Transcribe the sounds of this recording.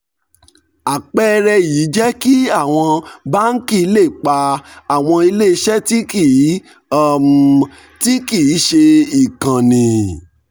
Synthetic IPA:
a˨k͡pɛ˦ɾɛ˧ji˨˦d͡ʒɛ˦ki˦a˦˨w̃ɔ̃˧ba˦n̩˦ki˦˨˧le˦˨k͡pa˧a˦˨w̃ɔ̃˧i˧le˦˧ʃɛ˦ti˦ki˦˨˦ | m | ti˦ki˦˨˦ʃe˧i˨kã˨nĩ˨

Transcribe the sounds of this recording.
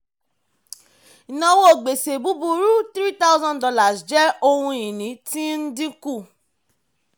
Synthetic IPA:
i˨nã˧wo˦o˨ɡ͡be˨se˨bu˨˦bu˧ɾu˦t̪ɾi˦ta˦ʊ˦zɔ̃˦ndɔ˧la˨sd͡ʒɛ˦o˧hũ˧ĩ˨nĩ˨˦ti˦n̩˦dĩ˦ku˦˨

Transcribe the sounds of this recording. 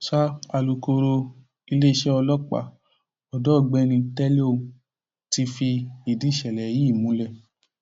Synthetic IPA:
ʃa˦a˧lu˧ko˧ɾo˧ | i˧le˦i˧ʃɛ˦ɔ˧lɔ˦k͡pa̰˦˨ | ɔ˨dɔ˦˨ɡ͡bɛ˦nĩ˧tɛ˦le˦o˧ | ti˧fi˧i˨di˨˦˨ʃɛ˨lɛ˨ji˦˨mũ˨˦lɛ˦˨

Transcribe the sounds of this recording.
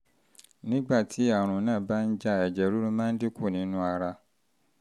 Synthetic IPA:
nĩ˦ɡ͡ba˦˨tʰi˨˦a˦˨ɾ̃ũ˨nãː˦˨ba˦n̩˦d͡ʒa˦˨ɛ˨d͡ʒɛ˨ɾu˦ɾũ˦mãː˦n̩˦de˦ku˦˨nĩ˨˦nũ˦a˧ɾa˧

